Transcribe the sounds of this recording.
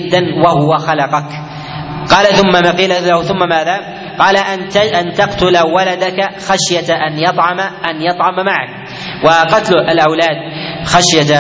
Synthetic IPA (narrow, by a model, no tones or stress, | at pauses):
ɪd̪ːanwahʊwaxalɑqɑk | qɑːlaθʊmːamaqiːlalahʊθʊmːamaːðaː | qɑːlaʔant̪ɑqt̪ʊlawalad̪akaxaʃjaʔanjɑt̪ˤʕɑmaʔanjɑt̪ˤʕɑmamaʕa̰k̚ | waqɑt̪lalʔawlaːd̪̚xaʃja